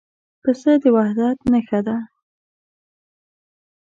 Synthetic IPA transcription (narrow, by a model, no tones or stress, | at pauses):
pəsəd̪əwahd̪at̪nəxad̪a